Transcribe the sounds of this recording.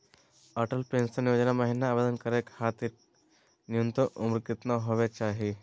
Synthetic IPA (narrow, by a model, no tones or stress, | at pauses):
ɐʈəlpɾẽːnsɐnɪʋəd͡ʒənamɐɦinaːbed̪ənkɐɾekhaːt̪iɾ | nɪjont̪ʊmɾkɪt̪naɦoːʋet͡ʃaːɦie